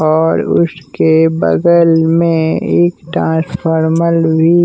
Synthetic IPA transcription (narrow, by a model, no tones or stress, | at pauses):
ɔːɾʊ̰skebə̰d̪əlmẽeːkʈɾãːspʰɔːɾməlbʱi